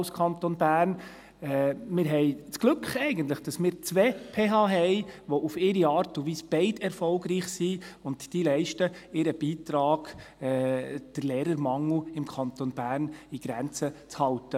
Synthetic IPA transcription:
ʊskʰɑntonbæːɾn | ɛmɪɾɦɛɪt͡sɡ̥lɵkχɛɪɡənt̬ləχd̥ɑsmɪːɾt͡sʋɛpʰeːɦɑːɦɛɪʋoʔufɪɾiɑːɾtʊndʋiːsb̥ɛɪdɛɾfɔlɡɾiːχsiːʊndd̥ilɛɪʃtəɪɾəb̥iːt̪ɾɑːɡ̥ɛd̥əɾleːɾəɾmɑŋːuɪmkʰɑnt̪onbæːɾniɡ̥ɾɛnt͡sət͡shɑltə

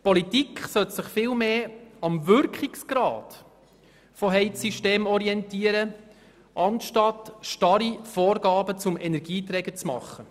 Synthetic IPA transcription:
pɔlitikχsœtsɪχfɪːlmeːɑmvʏɾkχiksɡ̥ɾɑ̰ːd̥ | fɔɦɛɪsiʃteːmɔɾiɛntiːəɾə | ʔɑnʃtɑtʃtɑɾifoːɾɡɑːbət͡sʊmɛnɛɾɡ̥iːt̪ɾɛɡ̥ət͡smɑ̰χːə

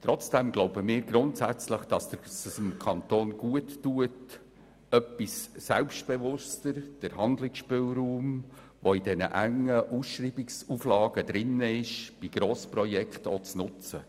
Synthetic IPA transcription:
t̪ɾɔt͡sd̥ɛmɡloʊbəmɪːɾɡɾʊntsæt͡sləχd̥ɑsd̥əsəsɪmkʰɑntoːnɡ̥uətːuət | œpːissɛlpstb̥ɛvʊstəɾd̥əɾhɑnd̪lɪksʃpʏlɾuːm | ʋoidɛnə̰ʔæŋːəʔusʃɾiːbɪksuflɑːɡ̥əd̪ɾɪnəɪʃb̥iɡ̥ɾoːspɾɔjɛkχtot͡snʊt͡sə

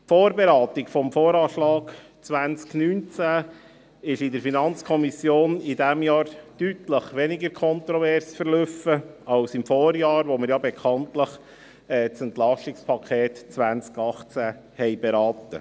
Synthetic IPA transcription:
foːɾbeɾɑːt̪ɪkfɔmfoːɾɑːʃlɑːɡ | t͡sʋænt͡sknyːnt͡sæ | ɪʃɪdəɾfinɑnt͡skʰɔmisjoːnidæmjɑːɾd̥yt̪ləχʋɛnɪɡəɾkʰɔnt̪ɾɔvɛɾsfəɾløfəɑlsɪmfoːɾjɑːɾʋoməɾjɑbɛkʰɑnt̪ləχ | ɛːt͡sɛnt̪lɑʃɪkspʰɑkʰχeːt̪t͡sʋænt͡skɑχt͡sæ | hɛɪbeɾɑːt̪ə̰

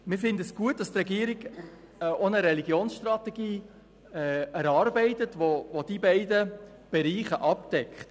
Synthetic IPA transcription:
mɪfɪndəsɡ̥uət̚d̥ɑst̪rɛɡiəɾiɡ | ʔonəɾɛliɡjoːnsʃt̪rɑt̪ɛɡiː | ɛæɾɑːɾbɛɪtətʋoʋod̥ibɛɪdə | b̥ɛɾiːχəʔɑp̚d̥ɛkχt

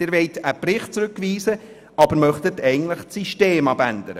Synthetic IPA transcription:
ɪːɾvʋɛɪtəprɪχt̚t͡sɾʉkviːsə | ʔɑbəɾmœχtətɛɪɡn̩tləχt͡siʃteːmɑbænd̪əɾə

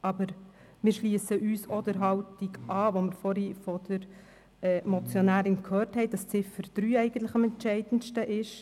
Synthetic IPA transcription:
ʔɑbəɾ | mɪːɾʃliəsəʔyːsod̥əɾɦɑwtiɡʔɑːʋomɪɾfɔɾifɔd̥əɾ | ɛːmɔt͡sjɔnæːɾɪnkʰhøːɾthɛɪd̥ɑst͡sɪfəɾd̥ɾyːɛɪɡən̩t̪lɪχɑmɛntʃɛɪd̥ən̩ʃtəʔɪʃ

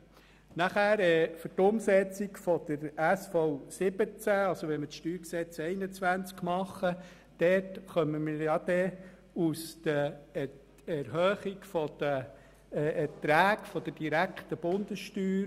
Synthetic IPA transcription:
næχæːɾɛːfʏtʊmsɛt͡sikfɔd̪̥əɾæsfɔwsɪb̥ət͡sæɑlsoʋɛməʃtyːɾksɛt͡sɛɪnət͡sʋænt͡skmɑχə | d̪̥ɛtχœməmiɾjɑd̪̥ɛ | ust̪əɛ | ɛɾɦœːχikfɔd̪̥ə | ʔɛtɾæːkfɔd̥̪əd̥iɾækχt̪əb̥ʊnd̪əsʃtyːɾ

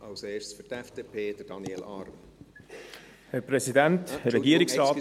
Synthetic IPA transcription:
ɑlseːʃfytɛfd̥eːpʰeːd̥̪əd̥ɑniɛlɑ̰ɾm | hɛɾpɾɛsidænthəɾɛɡiəɾɪksraɑːt

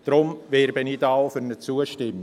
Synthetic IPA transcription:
d̥ɾʊmvɛːɾbənɪdɑʊfyɾnət͡suːəʃtɪm

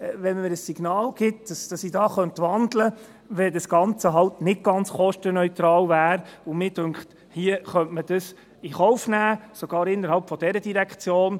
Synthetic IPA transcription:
ʋɛnməɾəsːiɡ̥nɑːlɡ̥ɪt̚d̥ɑsd̥ɑsidɑːχœnt̪ʋɑndlə | ʋɛdəsɡ̥ɑnt͡səɦɑltnɪ̥ɡ̥ɑnt͡sχɔʃtənœʏt̪ɾɑːlvæːɾʊmɪːdʉŋkχt | hiəχœntməd̥əs | iχɔʊfnæːsoɡ̥ɑːɾɪnːəɾhɑlpfɔd̥ɛɾədiɾækʰt͡sjoːn

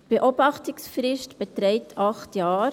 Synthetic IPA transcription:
b̥eʔobɑχtɪksfɾɪʃtb̥etɾɛɪtʰɑχtjɑːɾ

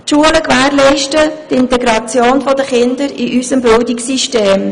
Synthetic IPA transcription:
tʃuələkʋæːɾlɛɪʃtət̪ɪntɛɡɾɑt͡sjoːnfɔd̪əχɪndəɾiʔysəmbɪldiksiʃteːm

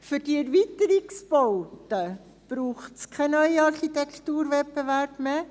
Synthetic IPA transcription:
fʏɾdiɛɾviːt̪əɾiksbɔʊtə | b̥ɾuːχtskʰɛnœʏiɑɾχit̪ɛkʰt̪uːɾʋɛpːeʋæɾb̥meː

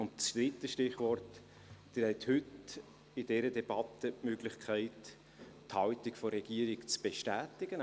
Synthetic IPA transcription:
ʊnt͡sd̪̥ɾɪtːəʃtɪχʋɔrt | d̥ɪɾhɛt̪hʏt | ɪdɛɾədɛb̥ɑt̪əmøɡlɪχkʰæɪt | thɑltɪkfɔɾɛɡ̥iːəɾɪkt͡sb̥eʃtæːtɪɡ̥ən

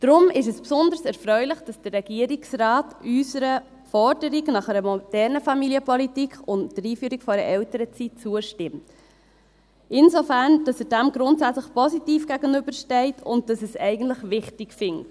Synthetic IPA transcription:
d̥ɾʊmɪʃɛspsʊndəɾsɛɾfɾœʏləχd̥ɑsd̥ərːɛɡ̥iəɾiksrɑːtysəɾə | fɔɾd̥əɾiɡnɑχɛɾəmɔd̥ɛɾnəfɑmiliəpʰɔlitikχʊntdəɾiːfyːɾikfɔɛɾə̰ʔɛwtəɾət͡sit̚t͡suəʃtɪmt | ʔɪnzofæːɾnd̥ɑsɛd̥æmɡɾʊntsæt͡sləχpɔsitiːfɡ̥æɡənʏbəɾʃtɛɪtʰʊnt̚d̥ɑsɛsɛɪɡən̩tləχʋɪχtɪkfɪŋt

